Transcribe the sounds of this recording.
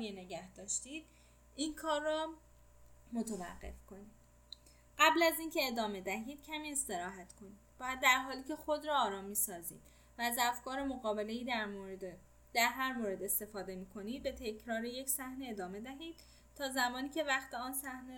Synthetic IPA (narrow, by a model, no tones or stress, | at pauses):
iene̞ɟæhd̪ɒːʃt̪iːd̪̥̚ | inkʰɒːrːɒ | mot̪ʰevæ̰ɢːe̞̰fkʰo̞niːd̪̥ | ɢæblæziːncʰe̞ːd̪ɒːme̞d̪æɦiːd̪̥̚cʰæmiːe̞st̪e̞ɾɒːɦæt̪ʰkʰo̞niːd̪̥bɒːjæd̪̚ːæɾɦɒːliːce̞xo̞d̪ɾɒːɾɒːmːiːsɒːzḭːd̪̥ | væːzæfkɒːɾe̞moɣɒːbe̞le̞jiːd̪ | d̪̥æɾɦæɾmoːɾe̞d̪e̞st̪e̞fɒːd̪e̞miːkʰo̞niːd̪̚be̞t̪ʰecʰɾɒːɾe̞je̞cʰsæhneed̪ɒːme̞d̪æɦiːd̪̥ | t̪ʰɒːzæmɒːniːce̞væχt̪eɒːnsæhne